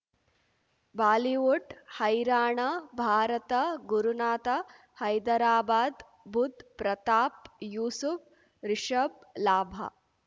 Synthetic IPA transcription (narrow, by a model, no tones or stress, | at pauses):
baːliʋuʈhɐjɾaːɳɐbʱaːɾɐt̪ɐɡuɾunaːt̪ɐ | hɐjd̪ɐɾaːbaːd̪ | bʱud̪ʱpɾɐt̪aːpjuːsuf | ɾɪʂɐblaːbʱɐ̰